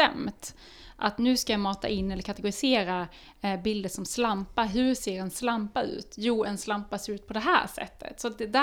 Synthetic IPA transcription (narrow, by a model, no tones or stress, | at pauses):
ɛ̰mt̪ | ʔat̪nʉ̟ːskajamɑːt̪a̰ʔɪnːɛlːəɾkʰat̪ɛɡʊɾɪseːɾa | bɪld̪əʂɔmslampaɾɦɵʂeːɾɛnslampaʉ̟̰ːt̪juːɛnslampaseːɾʉ̟ːt̪̚pʰɔd̪ɛɦæ̰ːʂɛ̰t̪ːə̰t̪sɔat̪d̪ɛd̪æ